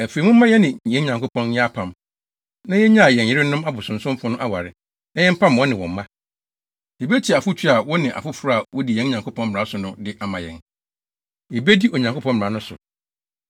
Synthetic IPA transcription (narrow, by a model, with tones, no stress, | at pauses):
æ˨fe˨mʊ̃˦mã˦jɛ˦nɪ̃˨ɛ̃˦ɲã˨ŋko˦pʰɔ̃˦n˦ɛ˦a˦pʰã˨m | nã˦jɛ˦ɲã˦a˨jɛ̃˨njɪ˦ɾɪ˦nʊ̃˦ma˦bʊ˨sʊ̃˨n̩˨sʊ̃˦m˦fʊ˦nʊ̃˦ʔa˦wa˨ɾɪ˨ | nã˦jɛ̃˦m̩˦pʰã˦mwɔ˦nɪ̃˨wɔ̃˨m˦mːã˦ | jɛ˨be˦tʰi˨a˨fʊ˦t͡ɕʰᶣi˦a˨wɔ˦nɪ̃˨ʔa̰˨fʊ˦fʊ˦ɾa˦a˨wɔ˦di˨jɛ̃˦n˦ɲã˨ŋkʰo˦pʰɔ̃˦mm˨a˦sʊ˨nʊ̃˦dɪ˦ʔa˨mã˨jɛ̰̃˨n | jɛ˨be˦di˦ʔo˨ɲã˨ŋko˦pʰɔ̃˦mm̩˨a˨˦nʊ̃˦sʊ̰˨